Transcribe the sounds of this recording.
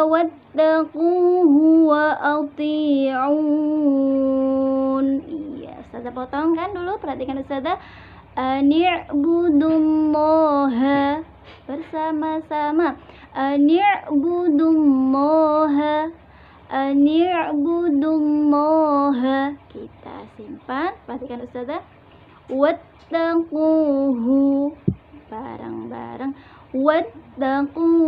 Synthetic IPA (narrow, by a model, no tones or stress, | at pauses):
wat̪ːaquɦuwaʔɑt̪ˤiʕu | nijja̰sad̪apot̪ɔŋkandulupərhat̪ikanəsad̪a | ʔənʕbud̪ulːɔɦa | b̥ərsamasama | ʔənɪʕbud̪umɔɦa | ʔanibud̪umːɔɦakit̪a̰simpanpat̪ikanust̪at̪a | wat̪ːaquɦu | b̥a̰ɾa̰ŋba̰ɾaŋ | wat̪ːaqu